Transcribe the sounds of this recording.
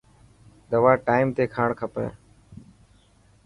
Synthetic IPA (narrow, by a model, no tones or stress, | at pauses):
d̪əʋaːʈaːɪmt̪eːkʰaːɳkʰəpə̰̃ː